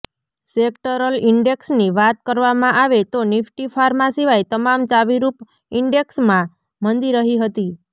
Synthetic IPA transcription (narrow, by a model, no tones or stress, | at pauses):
sekʈəɾəlɪɳɖeksniʋat̪kəɾʋamãʔaʋet̪onɪfʈifʰaɾmãsiʋajt̪əmamt͡ʃaʋiɾup | ɪɳɖeksmã | mənd̪iɾəɦiɦət̪i